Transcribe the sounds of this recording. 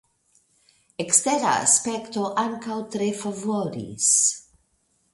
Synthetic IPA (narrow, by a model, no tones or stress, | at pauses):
ekst̪eɾa̰spɛkt̪oʔaŋkawt̪ɾefavoɾḭs